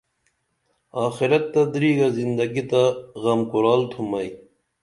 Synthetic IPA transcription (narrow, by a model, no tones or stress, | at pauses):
ɑːxiɾɐt̪ːɐd̪ɾiːɡɐzind̪ɐɡit̪aɣɐmkuɾɑːlt̪ʰumɐj